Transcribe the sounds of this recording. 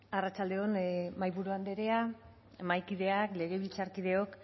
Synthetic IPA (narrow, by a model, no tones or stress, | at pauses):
arat͡ʃald̪e̞onmajβuɾuand̪e̞ɾea | majkiðe̞akle̞ɣ̞eβilt͡saɾkiðe̞o̞k